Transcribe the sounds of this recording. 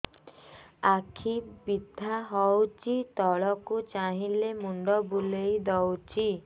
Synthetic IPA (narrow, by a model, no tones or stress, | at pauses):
akʰibid̪ʱːaɦɔwt͡ʃit̪ɔɭɔkut͡ʃaɦilemuɳɖɔbulejd̪ɔwt͡ʃʰi